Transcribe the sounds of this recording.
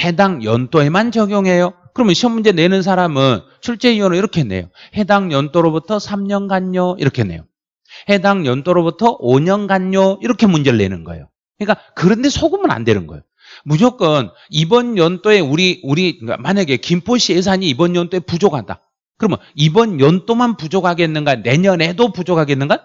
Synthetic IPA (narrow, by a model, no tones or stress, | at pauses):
he̞daŋjʌnt͈ʰoe̞mant͡ɕʌɡjoŋɦe̞jokɯɾʌmjʌnɕʰʌmːund͡ʑe̞ne̞nɯns̬ʰaɾamɯn | t͡ɕʰuɭt͡ɕ͈e̞iʌnɯiɾʌkʰe̞nḛjo̰he̞daŋɲʌnt͈ʼoɾobutʰʌsʰamɲʌnɡaɲːʌḭɾʌkʰene̞̰jo̰ | he̞daŋjʌnt͈ʰʼoɾobutʰʌʔoɲʌnɡaɲːʌiɾʌkʰe̞mund͡ʑeɾːe̞̰nɯnɡʌ̰ḛjo | kɯɲik͈akɯɾʌnde̞sʰoɡumɯna̰nde̞nɯnɡʌ̰jo | mud͡ʑok͈ʌn | ibʌnjʌnt͈oe̞uɾiuɾia̰maɲaɡe̞kimpʰoɕ͈ʰies̬ʰaɲiːbʌnjʌnt͈oe̞pud͡ʑoɡɦada̰ | kɯɾʌmʌibʌnjʌnt͈omanpud͡ʑoɡɦaɡenːɯnɡane̞ɲʌne̞dopud͡ʑoɡɦaɡenːɯnɡa